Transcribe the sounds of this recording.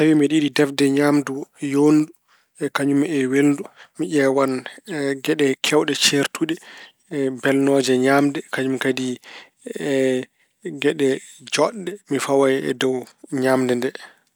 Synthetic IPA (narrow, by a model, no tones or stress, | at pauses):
sawimiɗiɗidɛfdɛɲamdujondu | ɛkaɲumɛweldumiʔɛwanɡɛɗɛkʰɛwɗɛt͡ʃeɾtuɗɛ | bɛlnɔːd͡ʒɛɲamdɛkaɲumkadi | ɡɛɗɛd͡ʒɔɗːɛmifawajɛ̰dɔwɲamdɛndɛ